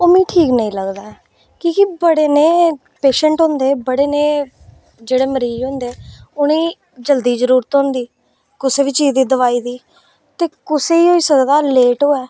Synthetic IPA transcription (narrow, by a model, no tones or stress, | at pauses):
oːmĩːʈʰiːknəĩːləɡd̪aː | kĩːkɪbəɽeːneː | peːʃəɳʈɦʊ̃nd̪eːbəɽeːneː | d͡ʒeːɽeːməɾiːd͡ʒɦʊ̃ːnd̪eːʊniː | d͡ʒəld̪iːzəɾuːɾət̪ɦõnd̪iː | kʊseːʋiːt͡ʃiːzd̪iːd̪əʋaːiːd̪iː | t̪eːkʊseːiːɦoːiːsəkd̪aːleːʈoːɛː